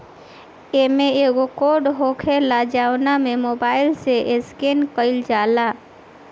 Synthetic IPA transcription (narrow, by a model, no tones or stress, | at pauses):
emẽeɡokoɾɖɦokʰelad͡ʒaːwnamẽmoːbaːɪlseʔeskenkəɪld͡ʒaːla